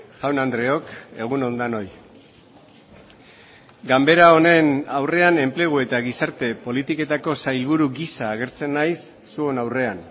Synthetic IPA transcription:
ʝawnand̪ɾe̞o̞ke̞ɣ̞uno̞nd̪ano̞j | ɡambe̞ɾao̞ne̞nawre̞ane̞mple̞ɣ̞ue̞t̪aɣisaɾt̪e̞po̞lit̪ike̞t̪ako̞sajlβ̞uɾuɡisaːɣ̞e̞ɾt͡se̞nːajsːue̞nawre̞an

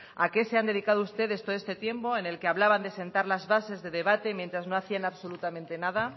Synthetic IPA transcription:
ake̞se̞and̪e̞ð̞ikaðoust̪e̞ðe̞st̪ooest̪et̪je̞mpo̞ene̞lkeaβlaβand̪e̞se̞nt̪aɾlazβase̞zðe̞ðe̞βat̪e̞mjent̪ɾazno̞aθianaβso̞lut̪amẽnt̪e̞naða

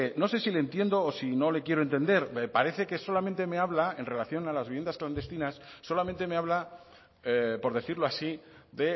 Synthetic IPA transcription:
no̞se̞silent̪je̞nd̪o̞ːsino̞le̞kje̞ɾoe̞nt̪e̞nd̪e̞ɾpaɾe̞θe̞keso̞lament̪e̞me̞aβlae̞nre̞laθjo̞nalazβiβje̞nd̪askland̪e̞st̪inasːo̞lamẽnt̪e̞me̞aβla | po̞ɾðe̞θiɾloasi | ðe̞

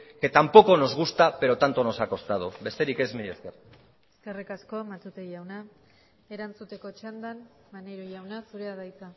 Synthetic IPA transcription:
ke̞t̪ampo̞ko̞no̞zɣust̪ape̞ɾo̞t̪ant̪o̞no̞sako̞st̪að̞ube̞st̪e̞ɾike̞zmiʎeskeɾ | eske̞rikasko̞amat̪ut̪eʝawna | eɾant͡sut̪e̞ko̞t͡ʃand̪an | maneɾojawnasuɾeaðajt͡s̪a

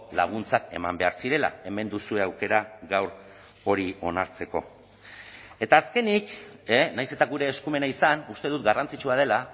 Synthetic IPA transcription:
la̰ɣ̞unt͡sake̞̰mambe̞aɾsiɾe̞la̰e̞me̞nd̪usue̞awke̞ɾaɣawɾ | o̞ɾio̞naɾt͡se̞ko̞̰ | e̞t̪aːske̞niknajse̞t̪aɣuɾe̞ːskume̞naisanust̪e̞ð̞ut̪ɡarant͡sit͡ʃuað̞e̞la

